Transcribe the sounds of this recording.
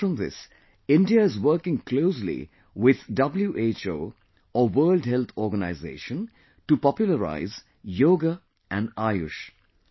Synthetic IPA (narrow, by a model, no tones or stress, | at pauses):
ɾɔ̃mðɪ̰s | ɪ̃nɖiaɪzwəɾkɪ̃ŋkʰloːslḭ | wɪð̥dʌbl̩juʔeːt͡ʃo̰ː | ɔʋɜːldɦɛlt̪ʰɔːɾɡəna̰ɪzḛːʃə̃n | ʈupɔpjʊləɾa̰ɪz | joːɡə | ʔæ̃nɖaɪʊ̰ʃ